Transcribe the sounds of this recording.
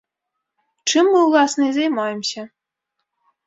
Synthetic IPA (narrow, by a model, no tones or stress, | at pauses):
ʈ͡ʂɨmːɨulˠɑsnezʲemɑjəmɕɘ̆